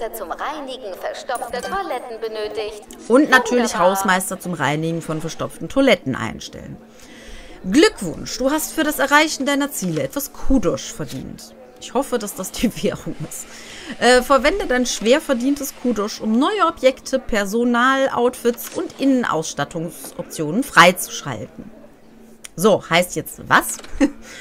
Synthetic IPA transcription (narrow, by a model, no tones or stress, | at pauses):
ɐt͡sʊmʁaɪnɪɡŋ̩fɛɐʃtɔftətʰolɛtn̩bənøːtɪçt | ʔʊntnatʰyːɐlɪçhaʊsmaɪstɐt͡sʊmʁa̰ɪnɪɡŋ̩fɔnfɛɐʃtɔpp͡ftn̩tʰolɛtn̩ʔa̰ɪnʃtɛ̰lən | ɡlʏkv̥ʊ̰nʃd̥uːɦastfyːɐɾasɛɐʁaɪçn̩daɪnɐt͡siːləɛtv̥askʰuːdɔʃfɛɐdḭːnt | ʔɪçhɔfədasd̥asd̥iːveːʁʊŋɪst | ʔɛːfɛɐvɛndədaɪnʃv̥eːɐfɛɐdiːntəskʰuːdɔʃʔʊmnɔʏəɔpjɛktʰəpʰɛɐzonaːlʔa̰ʊtfɪtsʔʊntʔɪnənʔa̰ʊsʃtatʰʊŋsʔɔ̰p̚t͡sjoːnənfʁ̥aɪt͡su̥ʃa̰ltn̩ | zoːhaɪstjɛt͡stva̰s